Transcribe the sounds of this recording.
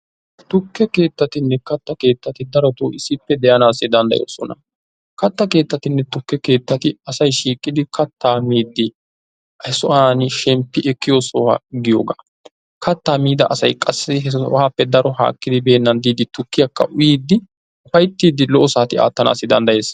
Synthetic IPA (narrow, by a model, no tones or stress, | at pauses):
t̪ʊkːɛke̞ːt̪ːɐt̪ɪnːɛkɐt̪ːɐke̞ːt̪ːɐt̪ɪd̪ɐɾɔt̪oːʔɪsɪpːɛd̪ɛjɐnaːsːɪd̪ɐnd̪ɐ̰jo̰ːsɔnɐ | kɐt̪ːɐke̞ːt̪ːɐt̪ɪnːɛt̪ʊkːɛke̞ːt̪ːɐt̪ɪɐsɐjʃiːkʼːɪd̪ɪkɐt̪ːaːmiːd̪ːɪ | hɛsɔʔaːnʃɛmpːɪʔɛkːɪjosoːhɐ̰ɡɪjoːɡa̰ː | kɐt̪ːaːmiːd̪ɐʔɐsɐjkʼɐsːɪɦɛhaːpːɛd̪ɐɾɔɦa̰ːkːɪd̪ɪbe̞ːnːɐnd̪iːd̪ɪt̪ʊkːɪjɐkːɐ̰ʔʊjiːd̪ːɪ | ʊfɐjt̪ːiːd̪ɪlɔʔɔsaːt̪ɪa̰ːt̪ːɐna̰ːsːɪd̪ɐ̰nd̪ɐje̞ːs